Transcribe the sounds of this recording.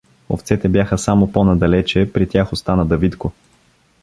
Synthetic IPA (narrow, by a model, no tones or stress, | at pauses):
o̰ft̪sɛt̪ɛbjaxəsamoponɐd̪ɐlɛt͡ʃɛpɾit̪ʲjaxost̪anəd̪ɐvit̪ko